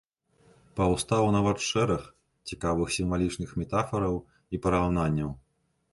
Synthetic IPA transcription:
pɐwst̪awunɐvatʂɛɾɐx | t͡sʲikavɨxsʲimvalʲit͡ʂnɨxmʲɛt̪afɐɾɐw | ipɐɾawnanʲːɐw

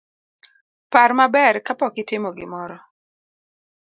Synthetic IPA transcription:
parmabɛrkapɔkɪtɪmɔɡɪ̰mɔɾɔ

